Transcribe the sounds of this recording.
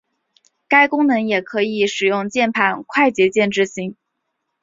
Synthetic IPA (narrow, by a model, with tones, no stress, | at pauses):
ka˥ɪkʊ˥ŋnɤ˧˥ŋjɛ˨˩kʰɤ˧˥i˨˩˦ʂɻ̩˨˩jʊ˥˧ŋt͡ɕjɛ˥˩npʰa˨˩nkʰwa˥˩ɪt͡ɕjɛ˧˥t͡ɕjɛ˥˧nʈ͡ʂɻ̩˥˩ɕi˧˥ŋ